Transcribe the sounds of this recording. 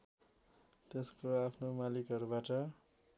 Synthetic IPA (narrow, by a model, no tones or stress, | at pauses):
t̪eskoapʰnomalikɦʌɾubaʈʌ